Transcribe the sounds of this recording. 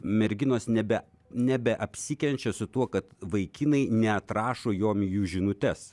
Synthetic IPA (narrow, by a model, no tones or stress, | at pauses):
mʲɛɾʲɡʲɪnoːsnʲɛbʲɛ | nʲɛbʲɛʔɐpʲsʲɪkʲɛnʲt͡ʃʲɛsʊt̪uɔkɐt̪ʋɐɪkʲɪnɐɪnʲɛɐt̪ɾɑːʃoːjoːmjuːʒʲɪnʊt̪ʲɛs